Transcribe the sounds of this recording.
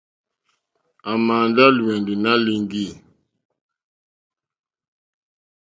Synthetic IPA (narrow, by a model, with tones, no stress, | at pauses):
a˨ma˨nda˦lwɛ˨ndi˨na˦li˦ŋɡi˦˨